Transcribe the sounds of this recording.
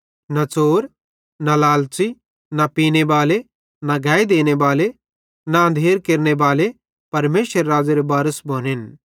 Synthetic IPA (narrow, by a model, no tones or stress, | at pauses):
nat͡soːɾ | nalaːlt͡ʃi | napiːnebaːle | naɡʱaːid̪eːñebaːle | naɐ̃nd̪ʱeːɾkeɾnebaːle | pɐɾmeːʃəɾːaːd͡zaɾebaːɾəsbʱoːnen